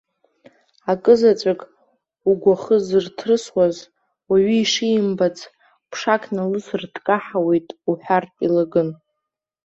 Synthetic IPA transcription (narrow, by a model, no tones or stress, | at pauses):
akʼɨzat͡sʷʼakʼ | uɡʷaχəzɨrtʰrɨswaz | waɥiːʂijmbat͡sʰ | pʰʂakʰnalɨsrtʰkʼaħawe̞jtʼuħʷᶣartʼilaɡɨn